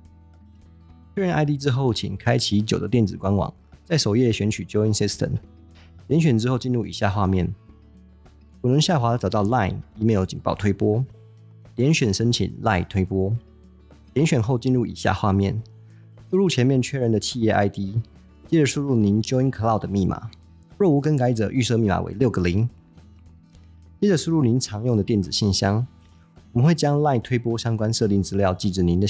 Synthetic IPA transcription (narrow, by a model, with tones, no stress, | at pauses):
t͡ɕʰɥɛ˥ɻə˧˥nʔa˥ɪt̪̬i˥ʈ͡ʂɻ̩˥xo˥˩ʊt͡ɕʰḭ˨˩ŋkʰa˥ɪt͡ɕʰi˧˥t͡ɕjo˨˩ʊd̪ə˦t̪jɛ˥˩nt͡sɹ̩˨˩kwa˦nwɑ̰˨˩˦ŋ | t͡sa˥˩ɪʂo˨˩ʊjɛ˥˩ɕɥɛ˧˥nt͡ɕʰy˨˩t͡ɕjo˥ʊi˧˥nsi˥st̪ʰə̰˨˩m | ljɛ˧˦nɕɥɛ˨˩nʈ͡ʂɻ̩˥xo˥˧ʊt͡ɕi˥˧nɻu˥˩ḭ˨˩ɕja˥˧xwa˥˧mjɛ˥˨n | kʰu˨˩nə˧˦ŋɕja˥˩xwa˧˥˧ʈ͡ʂɑ˨˩ʊt̪ɑ˥˧ʊla̰˥˩ɪi˧˥me˧˥njo˧˩ʊt͡ɕi˨˩npɑ˥˩ʊt̪ʰwe˥ɪpwɔ˥ | ljɛ˧˦˥nɕɥɛ˨˩nʂə˥nt͡ɕʰḭ˨˩nla̰˥˩ɪt̪ʰwe˥ɪpwɔ˥ | ljɛ˧˥nɕɥɛ˨˩nxo˥˧ʊt͡ɕi˥˧nɻu˥˩ḭ˨˩ɕja̰˥˧xwa˥˧mjɛ̰˥˩n | ʂu˥˧ɻu˥˩t͡ɕʰjɛ˧˥nmjɛ˥˨nt͡ɕʰɥɛ˥ɻə˧˥nd̪ə˨t͡ɕʰi˥˧jɛ˥˧ʔa̰˥˩ɪt̪i˥ | t͡ɕjɛ˥ʈ͡ʂə˨˩ʂu˥˧ɻu˥˩ni˧˥˦nt͡ɕjo˥i˥nkʰɤ˧˥lɑ˥˩ʊd̪ə˩mi˥˩mʔa̰˨˩˦ | ɻɔ˥˩u˧˥kə˥˦nka˧˥ɪt͡sɤ˨˩ʔy˥˧sɤ˥˧mi˥˩ma̰˨wḛ˧˥ɪljo˥˩ʊɡə˨˩li˧˥ŋ | t͡ɕjɛ˥ʈ͡ʂə˨˩ʂu˥˧ɻu˥˩ni˧˦nʈ͡ʂʰɑ˧˥ŋjʊ˥˩ŋdə˩t̪jɛ˥˩nt͡sɹ̩˨˩ɕi˥˩nɕjɑ˥ŋ | ɔwɔ˨˩mə˦nxwe˥˩ɪt͡ɕjɑ˥ŋla˥˧ɪt̪ʰwe˥ɪpwɔ˥ɕjɑ˥ŋkwa˥nʂɤ˥˧t̪i˥˩nt͡sɻ̩˥ljɑ˥˧ʊt͡ɕi˥˩ʈ͡ʂ̩˨˩ni˧˥nd̪ə˨